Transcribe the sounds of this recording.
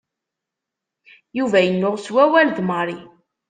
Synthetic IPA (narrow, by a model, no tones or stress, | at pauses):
juvæjənːʊʁswæwælðməɾˤi